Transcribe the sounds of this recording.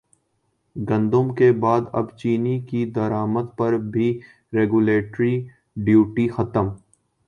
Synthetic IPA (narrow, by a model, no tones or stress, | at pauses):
ɡɐ̃nd̪ʊmkebaːd̪ɐ̰bt͡ʃiːnikid̪ɐɾaːmət̪pɐɾbʱi | ɾeːɡʊleːʈɾi | ɖjuːʈixɐt̪əm